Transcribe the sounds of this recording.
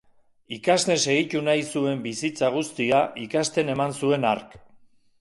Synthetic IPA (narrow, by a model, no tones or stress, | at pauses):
ikasne̞se̞ɣit̪unajsue̞mbisit͡saɣ̞ust̪iaʔikast̪e̞ne̞mansue̞naɾk